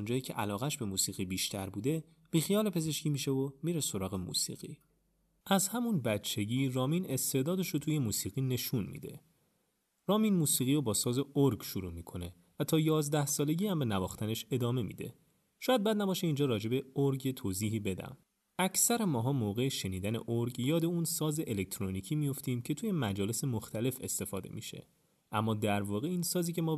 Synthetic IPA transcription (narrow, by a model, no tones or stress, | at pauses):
und͡ʒɒːjiːcʰe̞̰ʔælɒːɣæʃbe̞muːsiːɣibiːʃt̪ʰæɾbuːd̪e̞ | b̥iːxijɒːle̞pʰe̞ze̞ʃciːmiːʃevomiɾeso̞ɾɒːɣe̞mṵːsḭːɣḭ | ʔæzhæmunbætt͡ʃʰːe̞ɟiːrɒːmiːne̞st̪ʰe̞ʔd̪ɒːd̪e̞ʃot̪ʰuːje̞muːsiːɣine̞ʃunmḭːd̪e̞̰ | rɒːmiːnmuːsiːɣiːɾobɒːsɒːze̞oɾɡʃuɾuːmiːkʰo̞ne̞ | væt̪ʰɒːjɒːzd̪æhsɒːle̞ɟiːæmbe̞nævɒːxt̪æne̞ʃe̞d̪ɒːme̞mḭd̪e̞̰ | ʃɔːjæd̪̚bæːd̪næbɒːʃeiːnd͡ʒɒːɾɒːd͡ʒe̞be̞oɾɡet̪ʰoːziːɦiːbe̞d̪æ̰m | æcʰsæɾemɒːɦɒːmoːɣe̞eʃe̞niːd̪æne̞̰ʔoɾɡjɒːd̪e̞unsɒːzeʔelec̚t̪ʰɾoniːcʰiːmijo̞ft̪iːmcʰe̞t̪ʰuːje̞mæd͡ʒɒːle̞se̞moxt̪ʰæle̞fe̞̰st̪e̞fɒ̰ːd̪e̞̰mḭʃe̞̰ | ʔæmːɒːd̪æɾvɒːɣe̞iːnsɒːziːcʰe̞mɒː